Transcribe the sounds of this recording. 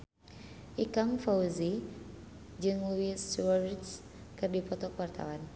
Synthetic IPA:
ʔikaŋfauzi | d͡ʒɨŋluiswaɾit͡ʃ | kɨrdipɔt̪ɔkwart̪a̰wan

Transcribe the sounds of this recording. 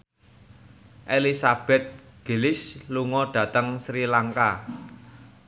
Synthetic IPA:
ʔelisab̥ɛt̪̚ɡ̥e̤lɪsluŋɔɖ̥ä̤t̪əŋsɾilaŋka

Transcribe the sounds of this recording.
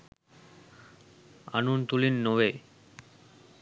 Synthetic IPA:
a̰nunt̪ulinːowe

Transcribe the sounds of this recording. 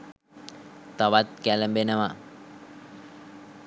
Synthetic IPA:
t̪aʋat̪̚kæləmbenəʋa

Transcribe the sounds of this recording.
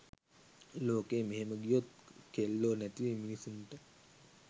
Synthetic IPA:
loːkeːmeɦeməɡijot̪kelːoːnæt̪iʋeminisunʈə

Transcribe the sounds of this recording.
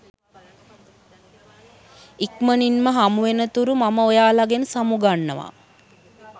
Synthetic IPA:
ikməninməɦamuʋenət̪uɾumaməojaːlaɡenəsamuɡanːəʋa̰

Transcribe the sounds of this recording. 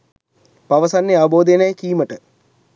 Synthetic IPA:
paʋəsanːeaʋəboːd̪ejnajkiːməʈə

